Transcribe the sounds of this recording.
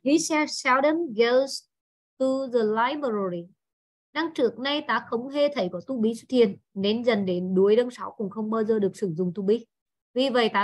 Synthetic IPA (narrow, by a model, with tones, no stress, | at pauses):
hi˨˦sɛ˧sa˧˦wɗə˧nɣɛ˧˥ls | t̪ɨ˧zə˨˩la˨˦jmə˨˩ɾo˨˩ɾi˨˩ | na˧ŋt͡ɕɨ˨˧˩ək̚na˧jt̪aː˨˦xə˨˦wŋ͡mɦe˧t̪ʰə˧˩jkɔ˨˧˦t̪u˧ɓi˨˦sʊ˦˥t̪̚ʰi˨ənːe˨˦nzə˨˩nɗe˨˦nɗu˨˦əjɗə˧nsa˨˦wkʊ̰˨˩ŋ͡mxə˧wŋ͡mɓaː˧wzəː˨˩ɗɨ˨˩ək̚sɨ˧˩ŋzʊ̰˨ŋ͡mt̪u˧ɓi˨˦ | vi˨˩və̰˧˨jt̪aː˨˦